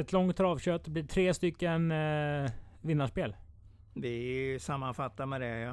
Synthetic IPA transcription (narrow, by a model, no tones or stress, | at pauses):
ɛt̪lɔŋt̪ʰːɾɑːvɕøːt̪̚d̪ɛblɪːʈ̪ʰɾeːst̪ʏkːən | vɪnːaʂpeːl | vɪsamːanfat̪ːamɛd̪ɛja